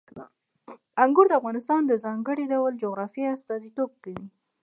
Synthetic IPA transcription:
aŋɡʊɾd̪əafɣɑnɪst̪ɑnd̪əzɑŋɡəɽiɖawald͡ʒoɣɾɑfiast̪ɑzit̪ob̚kəwi

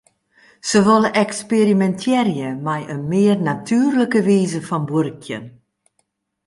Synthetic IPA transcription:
səʋɔləʔɛksperimɛntʰjɛrjəmɛjʔənmɪːrnatʰyːrləkəʋiːzəfɔnburkʰjə̰n

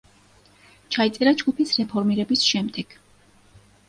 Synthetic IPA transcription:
t͡ʃʰait̪sʼɛɾad͡ʒɡupʰisɾɛpʰɔɾmiɾɛbisʃɛmd̪ɛɡ̥

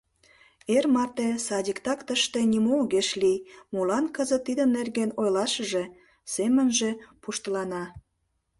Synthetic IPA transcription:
ermɑrt̪esɑdʲikt̪ɑkt̪əʃt̪e̽nimoɣeʃlimulɑnkəzət̪ːid̪ənːerɣenojlɑʃəʒe̽ | semənʒepuʃt̪əlɑnɑ

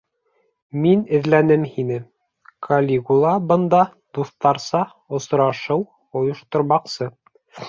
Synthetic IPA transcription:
minɘ̆ðlænɘmhinɘ | kʰɐlʲikulˠɑbɤ̆nd̪ɑ | d̪̥uθt̪ɑɾsɑ | ŏsɾɑʃɤw | ŏjŏʃt̪ŏɾmɑqsɤ

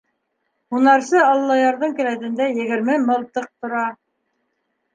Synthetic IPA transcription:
hunɑɾsɤɑlˠlˠːɑjɑɾðɤɴkɘ̆læt̪ɘ̆nd̪æjɘ̆ɡɘ̆ɾmɘmɤlˠt̪ɤq̚t̪ŏɾɑ

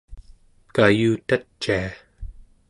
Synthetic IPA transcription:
kajuːt̪att͡ʃːia

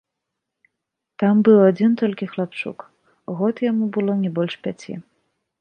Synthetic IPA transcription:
t̪ambɨwad͡zʲint̪ɔlʲkʲixlˠapt͡ʂṵk | ɣɔt̪jamubɨlˠɔnʲɛbɔlʲʂpʲat͡sʲḭ

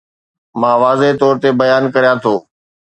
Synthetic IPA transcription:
mãːʋaːzet̪ɔːɾt̪ebɐjaːnkɐɾijãt̪ʰoː

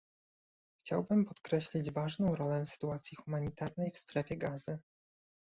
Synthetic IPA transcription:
xt͡ɕawbɘmpɔt̪kɾɛɕlʲid͡ʑvaʐnɔ̃w̃ɾɔlɛsɘ̥t̪uat̪sʲjixumaɲit̪aɾnɛjfst̪ɾɛfʲjɛɡazɘ

